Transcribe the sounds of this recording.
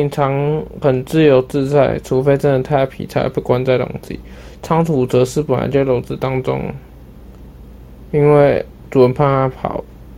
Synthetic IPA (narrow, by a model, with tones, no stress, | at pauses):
i˧˥ŋt͡sʰɑ˧˥ŋxə˨˩nt͡sɹ̩˥˧jo˧˥ʊt͡sɹ̩˥˧t͡sa˥˩ɪʈ͡ʂʰu˧˥fe˥ɪʈ͡ʂə˥nə˧˩nt̪ʰa˥˧ɪ˥˩pʰḭ˨˩t͡sʰa̰˥ɪpu˥˩kwa˦nt͡sa˥˩ɪlʊ̰˨˩ŋt͡ɕḭ˨˩˦ | t͡sʰɑ˧˥ŋt̪ʰu˨˩t͡sɤ˧˥ʂɻ̩˥˩pə˨˩na̰˧˦ɪt͡ɕjɛ˥˩ɪlo˧˥ʊt͡sɹ̩˥˧˩t̪ɑ˥ŋt͡sʊ̰˥ŋ | i˥nwe˥˩ɪ | t͡su˨˩wə˧˦npʰa˥˧na˥pʰɑ̰˨˩˦ʊ